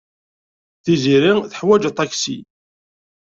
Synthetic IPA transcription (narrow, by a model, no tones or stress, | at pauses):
θiziɾiθə̥ħwæd͡ʒt̪ˤːɑksḭ